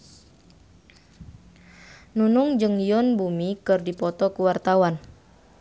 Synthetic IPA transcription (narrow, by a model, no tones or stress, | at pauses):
nunuŋd͡ʒɨŋjɔnbumikɨrdipɔt̪ɔkuwart̪awan